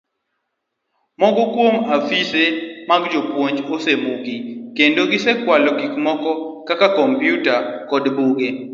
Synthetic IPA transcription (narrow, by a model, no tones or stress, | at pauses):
mɔɡɔkwomafisemaɡd͡ʒopwoɲd͡ʒosemuɡikendoɡɪsɛkwalɔɡikmɔkɔkakakɔmpjutakɔdbuɡe